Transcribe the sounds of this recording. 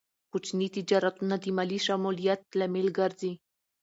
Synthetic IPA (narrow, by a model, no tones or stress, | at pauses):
kut͡ʃnit̪id͡ʒɑɾat̪unad̪imaliʃamulijat̪̚lamelɡaɾzi